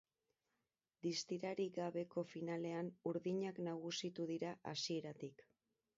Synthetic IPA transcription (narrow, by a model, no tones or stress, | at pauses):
d̪ist̪iɾaɾiɣaβe̞ko̞finale̞anuɾðiɲaknaɣ̞usit̪uðiɾaʔasie̞ɾat̪ik